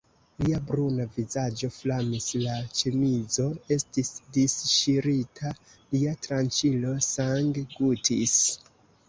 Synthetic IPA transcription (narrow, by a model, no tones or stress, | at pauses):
liabɾunavizad͡ʒo̞flamislat͡ʃemid͡zo̞e̞stisdisʃiɾitʰa | liatɾant͡ʃilo̞saŋɡɡutʰis